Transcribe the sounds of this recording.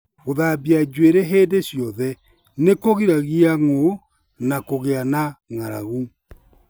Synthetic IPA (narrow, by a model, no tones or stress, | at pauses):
ɣoðabiad͡ʒweɾeɦeːdeɕjɔðɛ | nekoɣiɾaɣiaŋo | nakoɣeanaŋaɾa̰ɣu